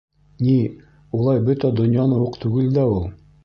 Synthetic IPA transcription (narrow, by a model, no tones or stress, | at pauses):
ni | ulˠɑjbɵt̪æd̪ŏnjɑnɤwuqt̪ʉɡɘld̪æulˠ